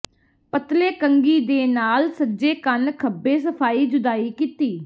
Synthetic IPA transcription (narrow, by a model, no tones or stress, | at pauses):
pət̪leːkəŋɡiːd̪eːnaːlsəd͡ʒeːkənkʰəbːeːsəpʰaːiːd͡ʒʊd̪aːiːkiːt̪iː